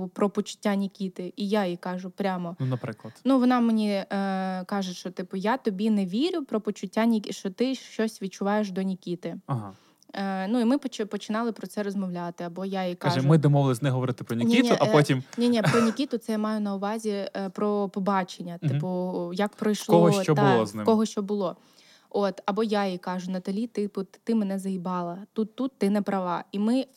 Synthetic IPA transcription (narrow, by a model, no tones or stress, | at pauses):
pɾɔpɔt͡ʃʊ̥tʲːanʲikʲit̪ɪʔijaikɑʒʊpɾʲamɔnunɐpɾɪklˠɐd̪nuʋɔnɑmenʲi | kɑʒeʃt͡ʃɔt̪ɪpʊjat̪ɔbʲinɛʋʲiɾʲʊpɾɔpɔt͡ʃʊtʲːanʲikʲiʃt͡ʃɔt̪ɪʃt͡ʃɔsʲʋʲid̚t͡ʃʊʋɑjeʃd̪ɔnʲikʲit̪ɪɐɦɑ̰ | nuimɪpɔt͡ʃpɔt͡ʃɪnɑlˠɪpɾɔt̪sɛɾɔzmɔʋlʲat̪ɪɐbɔjajikɑʒɛmɪd̪ɔmɔʋɪlˠɪsʲnɛɦɔʋɔɾɪt̪ɪ̥pɾɔnʲikʲiit̪ʊʔɐɔtʲimnʲinʲipɾɔnʲikʲit̪ʊt̪sɛjamɑjʊnɐʊʋɑzʲipɾɔpɔbɑt͡ʃenʲːɐt̪ɪpʊjɐk̚pɾɔjʃlkɔɦɔʃt͡ʃɔbʊlˠɔznɪ̰kɔɦɔʃt͡ʃɔbʊlˠɔ | ot̪ɐbɔjajikɑʒʊnɐt̪ɐlʲit̪ɪpʊt̪t̪ɪmenɛzɐibɑlˠɐt̪ut̪ːut̪ːɪnɛpɾɐʋɑimɪ